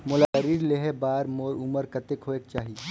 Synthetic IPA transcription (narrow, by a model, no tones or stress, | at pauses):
mʊlaəɾiːɾleɦebaːɾmoːɾʊməɾkɐt̪ekʰoeːk̚t͡ʃaːɦi